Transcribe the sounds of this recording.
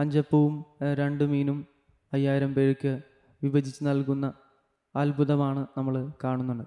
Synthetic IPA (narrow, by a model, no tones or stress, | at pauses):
ɐɲd͡ʑɐpːɐʋumɾe̞ɳɖɨmiːnum | ɐjːaːjiɾɐmpe̞ːɻkʲːɨ | ʋibɐd͡ʑʱit͡ɕːɨnɐlkunːɐ | ɐlbʱuðɐmaːɳɨnɐmːɐɭkaːɳunːuɳɖɐ